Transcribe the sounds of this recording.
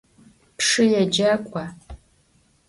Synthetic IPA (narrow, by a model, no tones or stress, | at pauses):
pʂɨjɛd͡ʒɐkʷʼa